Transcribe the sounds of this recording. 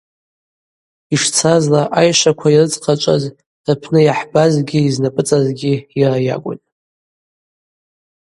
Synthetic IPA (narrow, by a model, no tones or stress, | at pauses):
iʂt͡sʰazlaʔajʃakʷʰairɨt͡sʼqʰat͡ʃʷʼa̰z | d̥apʰnɨjaħbazɡʲiːznapʼɨt͡sʼazɡʲiiraja̰kʷʼʊ̰tʼ